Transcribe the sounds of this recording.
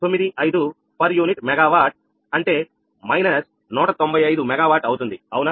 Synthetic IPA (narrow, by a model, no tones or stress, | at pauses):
t̪o̞mːid̪iʔɐjd̪u | pɐɾjuːniʈmɛɡaːʋaːɾʈ̚ | ɐɳʈe̞ː | mɐjnɐs | nuːʈɐt̪o̞mbɐjɐjd̪umɛɡaːʋaːɾʈɐwt̪und̪iɐwuna